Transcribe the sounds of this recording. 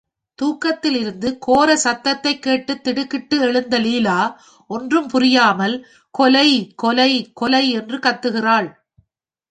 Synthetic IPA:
t̪uːkːɐt̪ːɪlɪɾɯnd̪ɯkoːɾɐsɐt̪ːɐt̪ːɐɪkːeːʈːɯt̪ːɪɽɯkːɪʈːɯɛɭɯnd̪ɐliːlaː | ʔɔndrɯmpʊrɪjaːmɐl | kɔlɐɪkɔlɐɪkɔlɐɪɛndrɯkɐt̪ːɯɣɪraːɭ

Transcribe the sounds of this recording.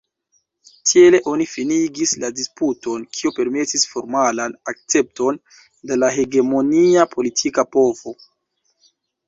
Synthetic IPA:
tie̞le̞ʔo̞nifiniɡisladisputo̞nkʰiope̞ɾme̞tisfo̞ɾmalanak̚t͡se̞p̚to̞n | de̞laɦe̞ɡe̞mo̞niapʰo̞litʰikapo̞vo̞

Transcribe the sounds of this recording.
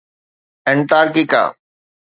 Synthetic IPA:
ɛɳʈaːɾkika̰ː

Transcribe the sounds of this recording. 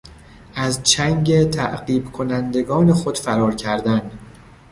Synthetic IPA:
ʔæzt͡ʃʰæŋɟe̞t̪ʰæʔɢiːbkʰo̞nænd̪e̞ɡɒːne̞xo̞d̪̥fæɾɒːɾcʰæɾd̪æn

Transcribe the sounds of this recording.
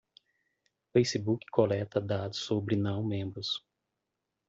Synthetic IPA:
fejsibukɪ̥kʰolɛt̪ɐd̪ad̪ʊssobɾɪnɐ̃w̃mẽbɾʊs

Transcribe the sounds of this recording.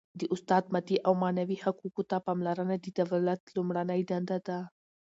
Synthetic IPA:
d̪əʔʊst̪ɑd̪mat̪iʔawmɑnawihakukot̪apɑmlaɾənad̪əd̪awlat̪lʊmɽanəjd̪and̪ad̪a

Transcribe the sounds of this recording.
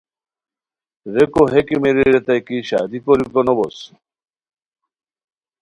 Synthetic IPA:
ɾekoɦekimeɾiɾet̪ajkiʃa̰d̪ikoɾikɔnɔbɔs

